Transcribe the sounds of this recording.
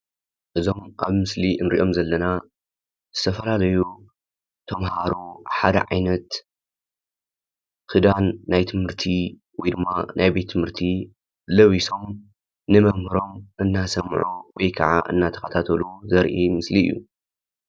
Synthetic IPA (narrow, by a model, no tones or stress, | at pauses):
ʔɨzo̞mʔaβmɨsliʔɨnɾḭʔo̞mzɐlːɐna | zɨt̪ʰɐfɐlalɐju | t̪ʰɐmhaɾuħad̪ɐ̰ʕajnɐt̪ | kɨd̪anːajt̪ʰɨmhɨɾt̪ʰi | wɔjd̪ɨmːa̰nʔajbe̞t̪ʰːɨmɨɾt̪ʰi | lɐβiso̞m | nɨmɐmhɨɾo̞mʔɨnːasɐmʕuwɔjkʰɐʕa̰ʔɨ̰nːat̪ʰɐ̥xɐt̪ʰat̪ʰɐluzɐɾʔimɨsliɨ̰jːu